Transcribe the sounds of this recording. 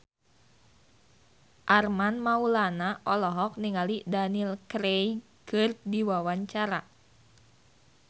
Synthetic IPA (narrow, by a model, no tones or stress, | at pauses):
ʔarmanmaulanaʔɔlɔɦɔk̚niŋalidanilkɾej | kɨrdiwawaɲt͡ʃaɾa